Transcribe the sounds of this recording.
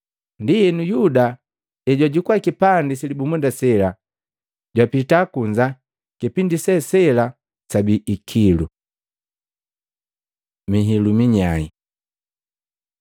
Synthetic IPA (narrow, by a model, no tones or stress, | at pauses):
ndijɛnujuda | ɛɟwaɟukuakipandisilibumundasɛla | ɟwapitakuɲd͡ʒa | kipindisɛsɛla | sabiːkʰilu | miɦilumiɲai